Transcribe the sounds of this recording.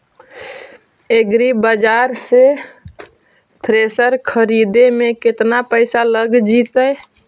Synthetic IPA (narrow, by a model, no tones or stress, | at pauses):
eɡɾibəd͡ʒaɾse | t̪ʰɾesəɾkʰəɾid̪emeket̪napəɪsaləɡd͡ʒit̪əj